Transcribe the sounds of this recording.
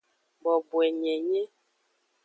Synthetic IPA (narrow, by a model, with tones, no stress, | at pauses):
bɔ˨bwɛ˨ɲɛ˨ɲɛ˦